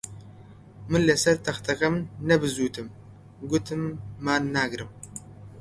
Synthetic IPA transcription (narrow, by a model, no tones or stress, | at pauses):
mɨlːɐsɐɾt̪ʰɐxt̪ʰɐkʼɐmnɐbɨzut̪ʰɨm | ɡʷʊt̪ʰɨmːaːnːaːɡɾɨm